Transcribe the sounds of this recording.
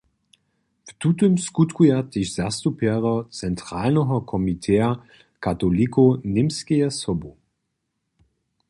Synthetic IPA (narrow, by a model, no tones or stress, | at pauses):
ftutəmskutkʰujatɪçz̥astupʰɛɐʁɐt͡sɛntʁ̥aːlnɔɦɐkʰɔmitʰɛːɐ | kʰatolikʰonɪmskeəsɔbo